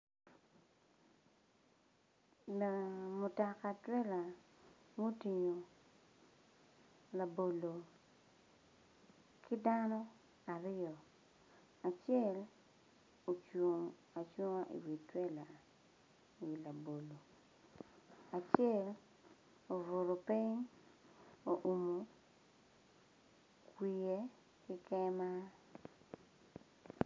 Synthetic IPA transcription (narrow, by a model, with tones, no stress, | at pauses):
la˨mʊ˨tɔ˨ka˨twɛ˦la˨mo˦ti˨ɲo˨ | la˨bo˨lo˨ | kʰɪ˦da˦nɔ˦ | a˨ɾɪ˦ɔ˨ | a˨t͡ʃɛ˦l | o˨t͡ʃu˨ŋ | a˨t͡ʃu˦ŋa˦ʔḭ˨wi˨twɛ˦la˨ | i˨la˨bo˨lo˨ | a˨t͡ʃjɛ˦˨l | o˨vo˨ɾo˨pi˦ɲ | o˨ʔu˨mo˨ | kwʷi˨e˦ | kɪ˦kɛ˦ma˦